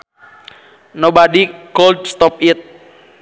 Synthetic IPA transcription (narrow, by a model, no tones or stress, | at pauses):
nobadikold̪̚st̪ɔp̚it̪̚